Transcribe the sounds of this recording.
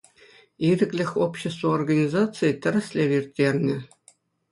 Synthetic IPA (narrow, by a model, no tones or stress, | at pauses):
iɾʲɘ̆klʲɘ̆xʲopɕːĕst̪voorɡɐnʲizɑt̪t͡sɨjtʲɘ̆ɾʲɘ̆sʲlʲeʋʲirʲt̪ʲːerʲnʲɘ̆